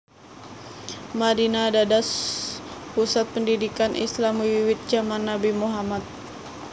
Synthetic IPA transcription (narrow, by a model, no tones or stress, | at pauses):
madinadadas | pusat̪̚pəndidikanʔḭslamwiwit̪̚d͡ʒamanːabimuɦamat̪̚